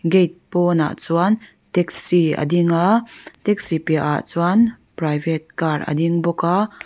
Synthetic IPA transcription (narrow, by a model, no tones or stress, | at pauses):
ɡejt̪̚pɔna̰ʔt͡suan | t̪ɛk̚siə̰diŋat̪ɛk̚sipiaʔa̰ʔt͡suan | prajvɛt̪̚karɐ̰diŋbɔka